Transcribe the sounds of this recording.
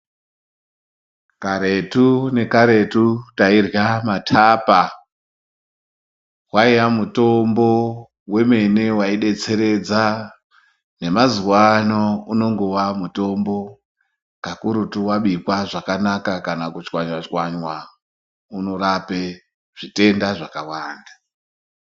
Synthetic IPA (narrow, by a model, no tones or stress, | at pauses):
kaɾe̞tune̞kaɾe̞tutairjamatʰaːpa | waijamuto̞mbo̞ | we̞me̞ne̞waiɗe̞t͡se̞ɾe̞d͡za | ne̞maziwanouno̞ŋɡo̞ʋamuto̞mbo̞ | kakuɾutuwaɓipwaʐakanakakanakut͡ʃwaɲwat͡ʃwaɲwa | uno̞ɾape | ʐ̥ite̞ndaʐakawaːnda